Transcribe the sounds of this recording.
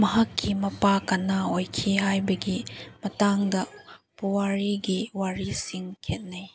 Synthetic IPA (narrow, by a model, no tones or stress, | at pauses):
mɐɦɐkʰːimɐpakanaojkʰiɦajbɐɡimɐtaŋdɐpuwaɾiɡiwaɾisiŋkʰet̚naj